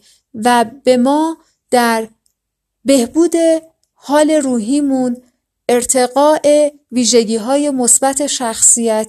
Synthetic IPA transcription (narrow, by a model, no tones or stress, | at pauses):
væbe̞mɒː | d̪̥æɾ | be̞hbuːd̪e̞ | hɒːle̞ɾuːɦiːmun | e̞ɾt̪ʰe̞ɣɒːʔe | viːʒe̞ɟiːɦɒːje̞mo̞sbæt̪ʰe̞ʃæxsijæt̪